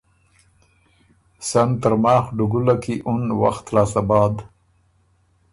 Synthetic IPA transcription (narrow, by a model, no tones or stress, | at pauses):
sant̪əɾmɑːxɖʊɡulakiʔʊnwa̰xt̪lɑːsabɑːd̪